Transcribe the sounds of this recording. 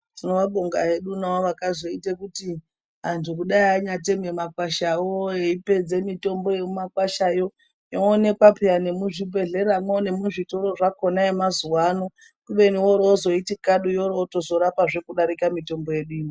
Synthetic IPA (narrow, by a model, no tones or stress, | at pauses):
tinoʋaɓoŋɡaeɗunaoʋakazoitekuti | ɦantʰukuɗaiaɲat̬ememakwaʃawoeipe̞d͡ze̞mito̞mbo̞jemumakwaʃajo̞ | joːne̞kwapijane̞muʐibʱe̞ɮe̞amwone̞muʐito̞ɾo̞ʐako̞naemazuwano | kuɓe̞niwo̞ɾoozo̞itikaɗujo̞rooto̞zo̞ɾapaʐe̞kuɗaɾikamito̞mbo̞je̞ɗiːni